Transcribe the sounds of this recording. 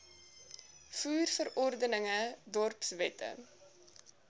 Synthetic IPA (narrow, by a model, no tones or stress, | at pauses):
fuːrfəɾɔrdənəŋədɔrpsvɛtə̰